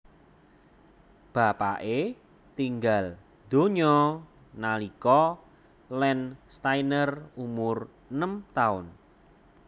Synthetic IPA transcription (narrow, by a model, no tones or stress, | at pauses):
b̥a̤pa̰ʔe | t̪iŋɡal | d̪̥o̤ɲɔ | nalikɔ | lɛnst̪ajnərumʊr | nəmt̪aʊn